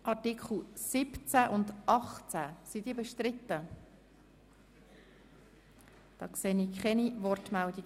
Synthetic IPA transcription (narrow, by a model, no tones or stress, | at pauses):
ʔɑɾtikχl̩sɪpt͡sæʔʊnd̪ʔɑχt͡sæsidiːbɛʃt̪ɾɪt̪ːə | d̪̥ɑ̰ːkseːniːkχɛnivɔrtmældiɡ